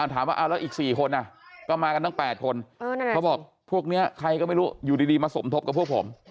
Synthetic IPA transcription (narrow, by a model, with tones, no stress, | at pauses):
ʔa˧˩t̪ʰaː˨˩˦mwaː˧ʔaː˧˩lɛː˦˥wʔiː˨˩k̚siː˨˩kʰo˧nʔa˨˩kɔː˥˩maː˧ka˧nt̪ʰa˥˩˨pɛː˨˩t̪̚kʰo˧nː˧a˥˧˦wbɔː˨˩k̚ | pʰu˥˩ək̚ni˦˥ɐkʰa˧jkɔː˥˩ma˥˩jɾuː˦˥juː˨˩diː˧diː˧maː˧so˩˦mt̪ʰo˦˥p̚ka˨˩pʰːu˥˩əkpʰo̰˩˦m